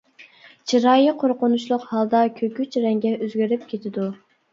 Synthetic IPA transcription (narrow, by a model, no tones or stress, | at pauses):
t͡ʃʰiɾɑːjiqʰoɾqʊnuʃlˠʊqhɑlˠd̪ɑkʲʰøkʲyt͡ʃɾɛŋɡʲɛøzɡʲyɾyp̚kʲʰet̪ʰɪd̪u